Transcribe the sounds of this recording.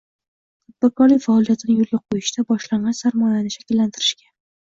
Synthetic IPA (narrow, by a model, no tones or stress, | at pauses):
ʊd̪̚bakʰɒɾlɪkʲfaːlˠijat̪ʰɪnɪjʊlˠɡʲaqʰojɪʃt̪ʰabɒʃlaɴɢɑnsaɾmɒjanɪʃakʲɪlːant̪ʰɪɾɪʃkʲa